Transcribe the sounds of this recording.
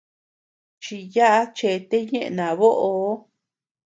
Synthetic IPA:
t͡ʃi˧ja˦ʔa˦t͡ʃe˧t̪e˦ɲẽ˦ʔḛ˧nã˨βo˦ʔo˧˦

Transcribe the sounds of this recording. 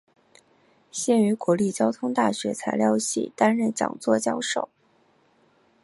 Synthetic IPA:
ɕjɛ˥˩ny˧˥kwɔ˧˥li˥˩t͡ɕjɑ˥ʊt̪ʰʊ˥ŋt̪a˥˩ɕɥɛ˧˥t͡sʰa˧˥ɪljɑ˥˧ʊɕḭ˥˩t̪a˥nɻə˥˩nt͡ɕjɑ̰˨˩ŋt͡swɔ˥˩t͡ɕjɑ˥ʊʂo˥˩ʊ

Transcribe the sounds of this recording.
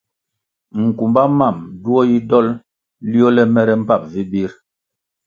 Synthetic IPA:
ŋ̩˨ku˨mba˦ma˦˨mdu˦ɔ˦ji˦dɔ˦l | li˦ɔ˦lɛ˦mɛ˦ɾɛ˦m̩˦pa˦˨p̚vi˦bi˦ɾ

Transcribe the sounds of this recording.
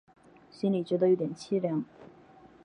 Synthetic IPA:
ɕi˥nli˨˩t͡ɕɥɛ˧˥d̪ə˧jo˧˥t̪jɛ˨˩nt͡ɕʰi˥ljɑ˧˥ŋ

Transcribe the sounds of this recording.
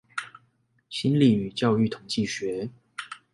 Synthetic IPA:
ɕi˦nli˨˩y˨˩t͡ɕjɑ˥˧ʊy˥˨t̪ʰʊ˨˦ŋt͡ɕi˥˨ɕɥɛ˨˦

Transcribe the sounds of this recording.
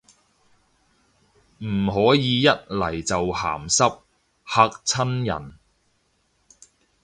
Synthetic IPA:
m̩˨˩ɦɔː˨˥jiː˨˧jɐ˥t̚lɐ˨˩jt͡sɐ˨wha̰ː˨˩msɐ˥p̚ | haː˧k̚t͡sʰɐ˥njɐ̰˨˩n

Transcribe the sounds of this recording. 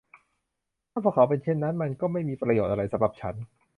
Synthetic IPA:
t̪ʰaː˥˩pʰɔː˧kʰaː˨˩˦wpe˧nt͡ɕʰe˥˩nːa˦˥nma˧nkɔː˥˩ma˥˩jmiː˧pɾa˧joː˨˩t̪ʔa˧ɾa˧jsa˧mɾa˨˩p̚t͡ɕʰa˦˥n

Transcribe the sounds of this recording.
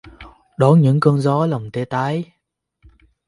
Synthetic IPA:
ɗɔ˨˦ɲɨ̰˧˥ŋkəː˧nzɔ˨˦lə˨˩wŋ͡mt̪e˧˦t̪aː˨˦j

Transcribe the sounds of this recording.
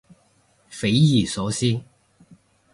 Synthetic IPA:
fe˨˥jjiː˨˩sɔ˨˥siː˥

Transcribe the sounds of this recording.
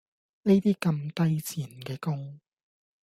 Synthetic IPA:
ne˥t̪iː˥kɐ˧mt̪ɐ˥jt͡sʰiː˨˩nkɛː˧kʊ˥ŋ

